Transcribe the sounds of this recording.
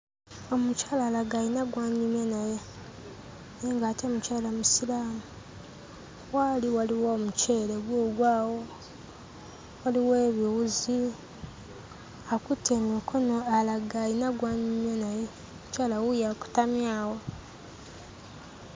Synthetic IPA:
o̞mucaːlalaɡajinaɡwaːɲimjenaje | neːŋɡaːtomucaːlamusilaːmu | waliwaliwoːmuce̞ːleɡwoːɡwaːwo | waliwe̞ːβiwuzi | akutemikʰonoalaɡajinaɡwaːɲumjenaje | omucaːlawujaku̥tamjaːwo

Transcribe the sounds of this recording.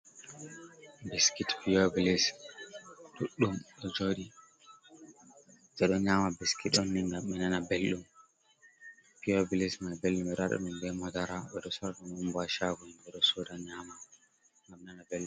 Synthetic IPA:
biskitpijobilis | ɗuɗːumɗɔd͡ʒoɗi | d͡ʒɛɗɔɲamabiskitɔnːiŋɡamːɛnanabelɗum | pijɔbilismalbelɗumɛɾaɗɔ̰ɗumbɛmɔdaɾaɓɛɗɔsɔɾaɗanumbaʃaɡulɓɛɗɔsɔdaɲama | ŋɡamːɛnanabelɗu

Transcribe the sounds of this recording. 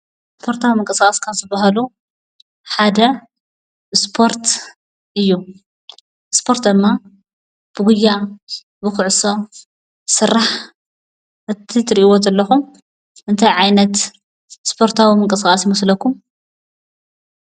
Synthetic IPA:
spʰo̞ɾt̪ʰawimɨŋkʼɐsaχʼɐskʰamzɨbaɦalu | ħad̪ɐ | spʰo̞ɾt̪ | ʔɨjːu | spʰo̞ɾt̪d̪ɨmːa | b̥ɨɡʊjːa | bɨkʊʕso̞ | sɨɾːaħ | ɨt̪ʰːit̪ʰɨɾiʔiwot̪ɨlːɐxum | ʔɨnt̪ʰajʕajnɐt̪ | spʰo̞ɾt̪ʰawimɨŋkʼɐsaχʼɐsjɪmɐslɐkːum

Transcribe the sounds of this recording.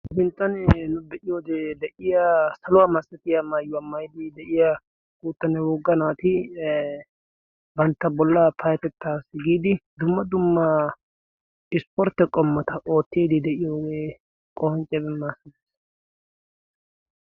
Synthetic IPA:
bɪnt̪ʼːɐnnʊbɛʔɪjoːd̪ɛd̪ɛʔɪjasɐlʊwamɐsːɐt̪ɪjɐmɐjːʊwɐmɐjd̪ɪd̪ɛʔɪja | kuːt̪ːɐnɛwʊɡːɐnaːt̪ɪ | bɐnt̪ːɐbɔlːɐpʰɐjɐt̪ɛt̪ːaːsɪɡiːd̪ɪd̪ʊmːɐd̪ʊmːɐ | ɪspɔɾt̪ːɛkʼɔmːɔt̪ɐʔo̞ːt̪ːeːd̪ɪd̪ɛʔɪjoːɡeː | kʼɔhɔnt͡ʃʼːɛbɛmːasɐd̪es

